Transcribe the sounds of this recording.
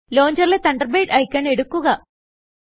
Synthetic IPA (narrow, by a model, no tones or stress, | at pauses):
lo̞ːɲd͡ʑɐrilet̪ɐɳɖɐrbejɖɐjkʲːɐːɳe̞ɽukːuɣɐ